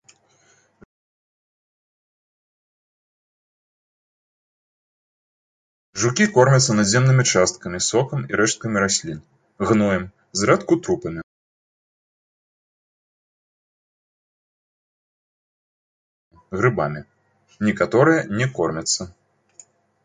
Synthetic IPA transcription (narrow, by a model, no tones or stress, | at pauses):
ʐukʲikɔrmʲɐt̪sːɐnad̪zʲɛmnɨmʲit͡ʂast̪̚kɐmʲisɔkɐmiɾɛʂt̪̚kɐmʲiɾasʲlʲin | ɣnɔjɛm | zɾɛt̪kut̪ɾupɐmʲi | ɣɾɨba̰mʲi | nʲikat̪ɔɾɨjɐnʲɛkɔrmʲɐt̪sːɐ